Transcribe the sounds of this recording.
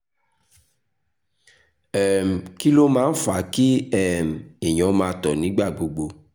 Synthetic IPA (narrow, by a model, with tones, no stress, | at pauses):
ɛ˨m̩˨ki˦lo˦mãː˨˦n̩˦fa˨˦ki˦ɛ˦˨m̩˨e˨j̃ɔ̃˨˦mãː˧tɔ˨nĩ˨˦ɡ͡ba˦˨ɡ͡bo˧ɡ͡bo˧